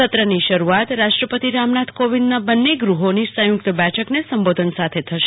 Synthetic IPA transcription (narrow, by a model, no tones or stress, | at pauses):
ət̪ɾəniʃəɾuat̪ɾaʃʈɾəpət̪iɾamnat̪ʰkoʋind̪nabənːeɡɾuɦonisə̃jʊkt̪əbɛʈʰəknesəmbod̪ʱənsat̪ʰet̪ʰəʃ